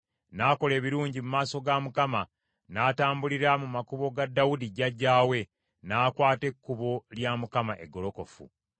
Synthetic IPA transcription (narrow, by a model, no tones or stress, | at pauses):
naːko̞le̞ːβiɾuːɲɟimumaːso̞ɡamukama | naːtaːmbuliɾamumakuβo̞ɡadːawudiɟaɟːaːwe̞ | naːkwaːte̞kːuβo̞ljamukamaʔeɡːo̞lo̞ko̞fṵ